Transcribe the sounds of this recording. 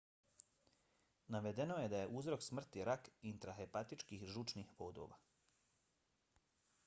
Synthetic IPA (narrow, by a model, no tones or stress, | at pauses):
naʋed̪e̞no̞je̞d̪aje̞ʔuzɾo̞ksmr̩t̪iɾakint̪ɾaɦepat̪it͡ʃkiːxʒut͡ʃnixʋoːd̪o̞̰ʋa̰